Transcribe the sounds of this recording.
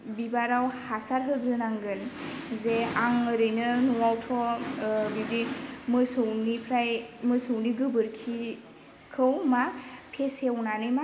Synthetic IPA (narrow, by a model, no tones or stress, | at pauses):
bibaɾawhasaɾɦɯɡɾɯnaŋɡɯn | zeaŋɯɾɯjnɯnuwawtʰɔ | bibimɯsɯwnipʰɾajmɯsɯwniɡɯbɯɾkʰi | kʰɯwmapʰesewnanɯjma